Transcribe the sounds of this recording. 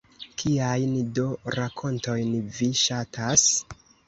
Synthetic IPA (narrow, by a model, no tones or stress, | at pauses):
kʰiajndo̞ɾakʰo̞nto̞jnviʃatʰas